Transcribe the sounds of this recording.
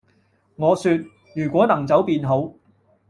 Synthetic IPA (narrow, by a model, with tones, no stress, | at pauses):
ŋɔː˨˧syː˧t̚ | jyː˨˩kʷɔː˨˥nɐ˨˩ŋt͡sɐ˨˥wpiː˧nɦo˨˥w